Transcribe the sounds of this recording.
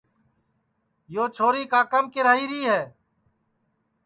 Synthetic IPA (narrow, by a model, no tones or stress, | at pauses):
joːt͡ʃʰoːɾiːkaːkəmkɪɾaːiːɾiːɦɛː